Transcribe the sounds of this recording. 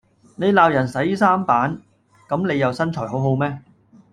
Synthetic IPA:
ne˨˧jlaː˨˧wjɐ˨˩nsɐ˨˥jsaː˥mpaː˨˥n | kɐ˨˥mne˨˧jɐ˨wsɐ˥nt͡ʃʰɔː˨˩ɦo˨˥wɦo˨˧wmɛː˥

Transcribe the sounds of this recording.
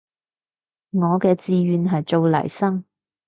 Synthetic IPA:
ŋɔː˨˧kɛː˧t͡siː˧ɥyː˨nɦɐ˨jt͡so˨˧wlɐ̰˨˩jsɐ˥ŋ

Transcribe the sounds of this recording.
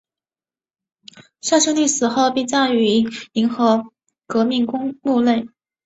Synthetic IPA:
ʂa˥˧ʂɤ˥˧ŋly˥˩sɹ̩˨˩xo˥˧ʊpi˥˧t͡sa˥˩ɪy˧˥i˧˥nxɤ˧˥ | kɤ˧˥mi˥˩ŋkʊ˥ŋmu˥˧le˥˩ɪ

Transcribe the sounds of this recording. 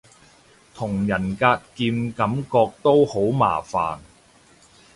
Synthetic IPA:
t̪ʰʊ˨˩ŋjɐ˨˩nkaː˧t̚kiː˧mkɐ˨˥mkɔː˧k̚t̪o˥who˨˥wma̰ː˨˩fa̰ː˨˩n

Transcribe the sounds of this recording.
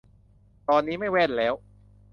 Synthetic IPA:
t̪ɔː˧nːiː˦˥ma˥˩jwɛ˥˩nlɛː˦˥w

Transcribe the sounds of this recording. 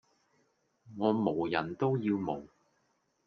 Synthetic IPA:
ŋɔː˨˧mo˨˩wjɐ˨˩nt̪o˥wjiː˧wmo˨˩w

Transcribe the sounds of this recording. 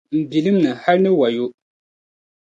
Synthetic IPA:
m̩˨bi˨lɨ˦mnɨ˨ha˦lnɨ˦wa˨jʊ˦

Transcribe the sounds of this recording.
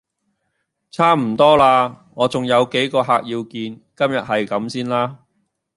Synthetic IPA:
t͡sʰaː˥m̩˨˩t̪ɔː˥laː˧ŋɔː˨˧t͡sʊ˨ŋjɐ˨˧wke˨˥jkɔː˧ɦaː˨˧k̚jiː˧wkiː˧nkɐ˥mjɐ˨t̚hɐ˨jkɐ˨˥msiː˥nlaː˥

